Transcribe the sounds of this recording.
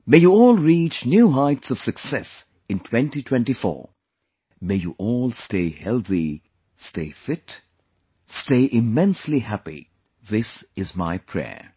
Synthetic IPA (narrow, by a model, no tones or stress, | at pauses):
mejuɔːlˠɹiːt͡ʃnjuːɦaɪtsʌv̥sɨksɛs | ɨ̃ntʰwɛ̃ntitʰw̥ɛ̃ntifɔ̰ːɹ | meɪjṵʔɔlˠsteɪhɛlˠθi | steɪfɪt | steɪʔɪmɛ̃nslihæpḭ | ðɪsɪzmaɪpʰɹ̥ɛ̰əɹ